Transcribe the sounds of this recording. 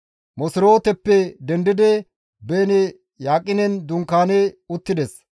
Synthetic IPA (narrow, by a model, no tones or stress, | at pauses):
mɔsɪɾoːt̪ɛpːɛd̪ɛnd̪ɪd̪ɛ | beːnɛ | jaːkʼːɪnɛnd̪ʊŋkaːnɛʊt̪ːɪd̪ɛs